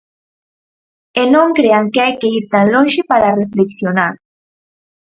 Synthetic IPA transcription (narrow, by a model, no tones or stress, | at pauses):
enõŋkɾeaŋkeajkeiɾt̪aŋloŋʃepaɾarefleksjonaɾ